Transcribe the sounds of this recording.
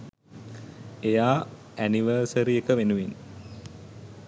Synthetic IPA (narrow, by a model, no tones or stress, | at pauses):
ejaː | æniʋəːsəɾiekəʋenuʋin